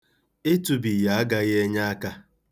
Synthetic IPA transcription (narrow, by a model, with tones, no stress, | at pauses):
e˦tu˨bi˨ja˨a˦ɡa˦ɣe˦ɲa˦a˦ka˦